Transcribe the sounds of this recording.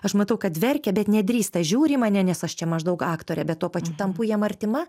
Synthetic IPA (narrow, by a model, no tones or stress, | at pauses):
ɐʃmɐt̪ɐʊkɐt̪ʲʋʲɛrʲkʲɛbʲɛt̪nʲɛd̪ʲɾʲiːst̪ɐʒʲuːɾʲiːmɑːnʲɛnʲɛsɐʃt͡ʃʲɛmɐʒd̪ɐʊkɑːkt̪oːɾʲɛbʲɛt̪t̪ːuɔpɐt͡ʃʲuːt̪ɐmpujiɛmɐrʲt̪ʲɪmɐ